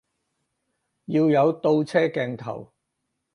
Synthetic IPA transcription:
jiː˧wjɐ˨˧wt̪o˧wt͡sʰɛː˥kɛː˧ŋt̪ʰɐ̰˨˩w

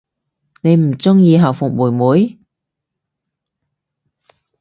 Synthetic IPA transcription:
ne˨˧jm̩˨˩t͡sʊ˥ŋjiː˧ɦɐ˨˩wfʊ˨˩k̚muː˨˩jmuː˨˥j

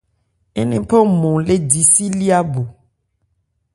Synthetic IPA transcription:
e˦nẽ˦pɔ˦mɔ̃˨le˦di˨si˦li˦a˦bo˨

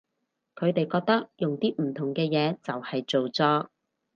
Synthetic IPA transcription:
kʰɵ˨˧ɥt̪e˨jkɔː˧k̚t̪ɐ˥k̚jʊ˨ŋt̪iː˥m̩˨˩t̪ʰʊ˨˩ŋkɛː˧jɛː˨˧t͡sɐ˨whɐ˨jt͡so˨wt͡sɔː˧

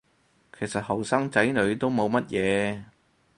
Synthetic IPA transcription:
kʰe˨˩jsɐ˨t̚hɐ˨˩wsaː˥ŋt͡sɐ˨˥jnɵ˨˧ɥt̪o˥wmo˨˧wmɐ˥t̚jɛː˨˧

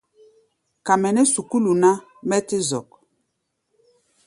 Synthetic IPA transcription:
ka˨mɛ˨nɛ˦su˨ku˦lu˨na˦ | mɛ˦ti˦zɔ̰˨k̚

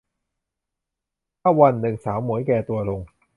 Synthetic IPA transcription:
pa˥wɐ˧˩nle˨˩ŋsaː˨˥wmːuː˨˥jkɛː˧t̪uː˧lʊ˨˧ŋ

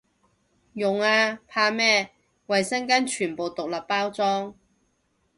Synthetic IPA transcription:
jʊ˨ŋaː˧pʰaː˧mɛː˥ | wɐ˨jsɐ˥nkaː˥nt͡ʃʰyː˨˩npo˨wt̪ʊ˨k̚lɐ˨pːaː˥wt͡sɔː˥ŋ

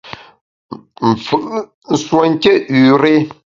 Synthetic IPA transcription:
m̩˨fɨ˨ʔ | n̩˨swo˨ŋ˦kʲe˦ʔʉ˨ɾe˦

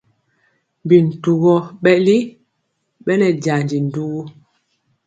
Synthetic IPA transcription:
mbi˨n̩˨tu˨ɣɔ˦ɓɛ˦li˦ | ɓɛ˦lɛ˨d͡ʒa˨nd͡ʒi˨n̩˨du˦ɣu˦

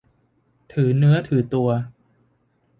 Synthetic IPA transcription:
t̪ʰɯː˩˦nɯ˦˥ɐt̪ʰɯː˩˦t̪u˧ɐ

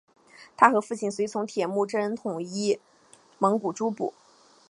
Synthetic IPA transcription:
t̪ʰa˥xɤ˧˥fu˥˩t͡ɕʰi˥˩nswe˧˥ɪt͡sʰʊ˧˥ŋt̪ʰjɛ˨˩mu˥˩ʈ͡ʂə˥nt̪ʰʊ˨˩ŋi˥˩ | mɤ˧˥ŋku˨˩ʈ͡ʂu˥pṵ˨˩˦

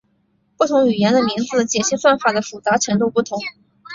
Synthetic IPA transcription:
pu˥˩t̪ʰʊ˧˥ŋy˨˩jɛ˧˥nd̪ə˧mi˧˥ŋd͡zɹ̩˧t͡ɕjɛ˨˩ɕi˥ŋswa˥˩nfa˨˩d̪ə˦fu˨˩t͡sa˧˥ʈ͡ʂʰɤ˧˥ŋt̪u˥˧pu˥˩t̪ʰʊ˧˥ŋ

